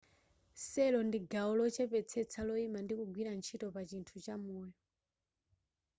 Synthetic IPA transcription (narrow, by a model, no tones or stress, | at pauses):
sɛlɔndiɡaɔlɔt͡ʃɛpɛt͡sʰɛt͡sʰalɔimandikuɡwiɾant͡ʃʰitɔpat͡ʃintʰut͡ʃamuːjɔ